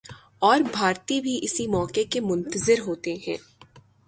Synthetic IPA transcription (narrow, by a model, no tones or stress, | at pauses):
ɔːɾbʱaːɾt̪ibʱiʔɪsimɔːkekemʊ̃nt̪əzɪɾɦoːt̪eɦɛ̰̃ː